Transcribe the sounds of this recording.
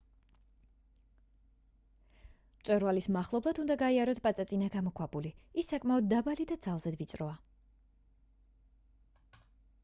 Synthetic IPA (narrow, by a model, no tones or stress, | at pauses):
mt̪sʼwɛɾvalismaχlˠɔblˠad̪und̪aɡaiaɾɔt̪ʰpʼat̪sʼat̪sʼinaɡamɔkʰwabuliisːakʼmaɔd̪̚ːabalid̪ad̪zalˠzɛd̪vit̪sʼɾɔa